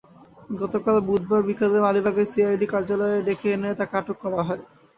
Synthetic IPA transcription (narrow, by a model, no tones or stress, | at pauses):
ɡɔt̪okalbud̪̚baɾbikʰad̪emalibʱaɡesiajɖikaɾd͡ʑalɔeed̪ekʰenet̪akeaʈokːɔɾaɦɔe